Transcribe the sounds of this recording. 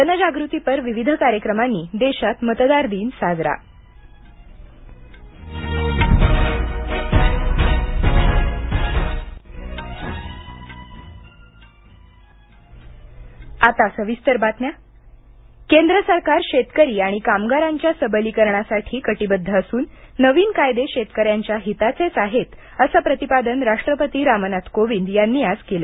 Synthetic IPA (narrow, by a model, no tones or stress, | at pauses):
tənəd͡ʑaɡɾut̪ipəɾʋiʋid̪ʱəkaɾjəkɾəmanːiːd̪eɕat̪mət̪d̪aɾd̪iːnsad͡zɾa̰ | at̪asəʋist̪əɾbat̪nja | kend̪ɾəsəɾkaɾɕet̪kəɾiːaɽ̃ikamɡaɾaɲt͡ɕjasəbəliːkəɾɳasaʈʰiːkəʈibəd̪ʱːəəsuːnː | əʋiːnkajd̪eɕet̪kəɾjaɲt͡ɕjaɦit̪at͡set͡saɦet̪ | əsapɾət̪ipad̪ənɾaʂʈɾəpət̪iːɾamənat̪koʋiːnd̪janːiːad͡zkela